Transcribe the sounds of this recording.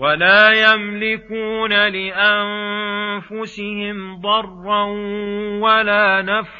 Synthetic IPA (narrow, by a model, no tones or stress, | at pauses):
walaːjamlɪkuːnalɪʔamfʊsɪhɪmd̪ˤɑrˤːɑnwalaːnaf